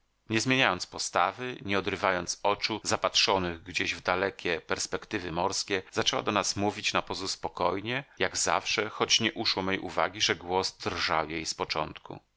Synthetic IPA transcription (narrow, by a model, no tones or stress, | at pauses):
ɲɛzmʲjeɲajɔnt̪spɔst̪avɘɲɛɔd̪ɾɘvajɔnt̪sɔt͡ʂuzapatʂɔnɘɣɡd͡ʑeʑvd̪alɛkʲɛpɛɾspɛkt̪ɘvɘmɔɾskʲɛzat͡ʂɛwa̰d̪ɔnasmuvʲit͡ɕnapɔzuspɔkɔjɲɛjaɡza̰fʂɛxɔt͡ɕɲɛʔuʂwɔmʲɛjʔṵva̰ɡʲiʐɛɡwɔsd̪rʐa̰wjejspɔt͡ʂɔ̰nt̪kṵ